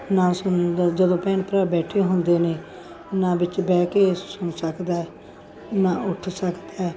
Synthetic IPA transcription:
naːsʊnd̪d͡ʒəd̪õːpɛːnpɾaːbɛːʈʰeːɦʊnd̪eːneː | naːbɪt͡ʃbɛːkeːsʊnsəkd̪aːɛ | naːʊʈʰsəkd̪aːɛː

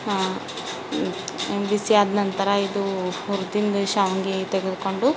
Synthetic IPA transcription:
embisijaːd̪nɐnt̪ɐɾɐid̪uuɾd̪ind̪ɐʃaːʋɐŋɡet̪eɡed̪uko̞ɳɖu

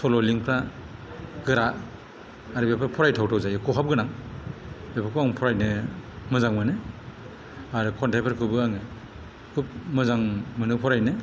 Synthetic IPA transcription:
sɔlɔliŋpʰɾa | ɡɯɾaː | ɾɯbepʰɾapʰɔɾajtʰawtʰɔwzajkʰɔɦap̚ɡɯnaŋ | bepʰaɾkʰɯaŋpʰɔɾajnɯmɯzaŋmanɯ | aɾɯkʰɔntapʰaɾkʰɯbɯaŋɯ | kʰup̚mɯzaŋmɯnɯpʰɔɾajnɯ

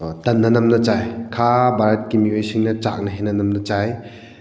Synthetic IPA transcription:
tɐnːɐnɐmnɐt͡ʃajkʰabaɾɐt̚kimiojsiŋnɐt͡ʃa̰k̚nɐɦenɐnɐmnɐt͡ʃaj

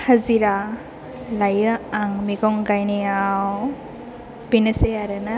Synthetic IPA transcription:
haziɾa | lajɯaŋmiɡɔŋɡajnijaw | b̥inɯseaɾɯna

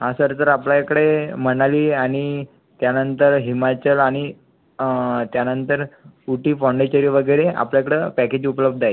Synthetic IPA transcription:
ɦãsəɾt̪əɾaplakəɽeməñaliːaɽ̃i | t̪janənt̪əɾɦimat͡ɕəlaɽ̃i | t̪janənt̪əɾuʈiːfawɳɖet͡ɕəɾiːʋəɡəjɾeʔa̰pljakəɽepæked͡ʑupləb̚d̪ʱaje

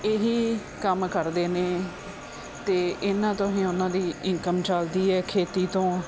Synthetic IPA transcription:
eɦiː | kəmkəɾd̪eːneː | t̪eːʔɪnãːt̪ʊsĩːʊnãːd̪iːɪŋkəmt͡ʃəld̪iːɛːkʰeːt̪iːt̪õː

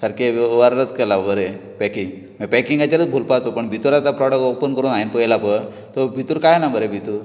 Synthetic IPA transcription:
saɾkeʋaɾɾət͡skɛlabəɾepɛkĩŋɡ | məpɛkiŋɡat͡ɕaɾət͡sbʱulpat͡s̪opəɳbʱit̪uɾat͡sapɾɔɽək̚ɔpənkəɾuːnainpəlapə | t̪ɔbʱit̪uɾkajnabʱəɾebʱit̪uɾ

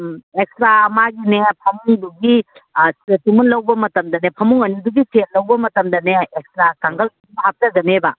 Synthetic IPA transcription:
ek̚stɾamaɡinepʰɐmuŋduɡi | etimunlɐwbɐmɐtɐmd̪ɐnepʰɐmuŋɐniduɡitʰenlɐwbɐmɐtɐmd̪ɐneek̚stɾakaŋɡɐlkiɦap̚tɐɡɐnebɐ

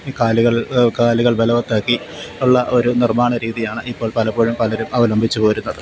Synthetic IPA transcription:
kaːluɣɐɭkaːluɣɐɭbelɐʋɐt̪ːaːkːi | uɭːɐʔo̞ɾunirmaːɳɐɾiːðijaːɳɨʔipːo̞ːɭpɐlɐpo̞ːɻumpɐlɐɾumʔɐʋɐlɐmbʱit͡ɕːɨpo̞ːɾun̪ːɐðɨ

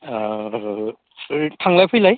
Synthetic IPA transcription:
tʰaŋlajpʰɯjlaj

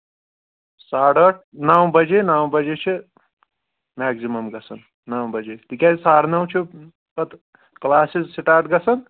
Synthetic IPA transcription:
saːɽəʈ̚ʰnawbɐd͡ʒenaːwbɐd͡ʒet͡ʃʰi | maːksimɐmɡɐsʰɐnː | awbɐd͡ʒet̪ikʲaisaːɽnɐw̃t͡ʃʰi | pɐt̪ | klaːsizsiʈaːɾʈ̚ɡɐsɐn

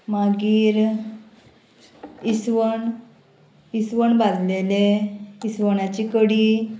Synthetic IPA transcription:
maɡiːɾ | isʋəɳ | isʋəɳbad͡zleleisʋəɳat͡ɕikəɽiː

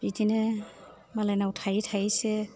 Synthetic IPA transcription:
bitinɛ | malajnautʰajitʰasɛ

